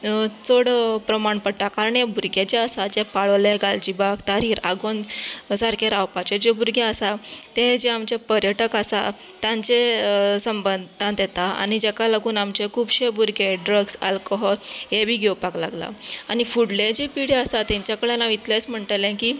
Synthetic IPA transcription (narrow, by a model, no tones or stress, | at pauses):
t͡soɽpɾəmaɳpəɽʈakaɾəɳjebuɾɡet͡ɕeəsad͡ʑepaɭleɡald͡ʑibakt̪aɾiːɾaɡonsaɾkʰeɾawpat͡ɕed͡ʑebuɾɡeəsat̪ẽd͡ʑeamt͡ɕepəɾjəʈəkasa̰t̪jãɲt͡ɕesəmbənd̪t̪ãt̪jet̪aa̰ɽ̃id͡ʑɛkalaɡuːnamt͡ɕekʰuːbɕebuɾɡeɖɾəɡsa̰lkoɦɔlɦebʱiːɡʱewpaklaɡla̰añifuɽled͡ʑipiɽeəsat̪ãɲt͡ɕjakəɽenaʋit̪let͡sm̤əɳʈ̪əlẽkiː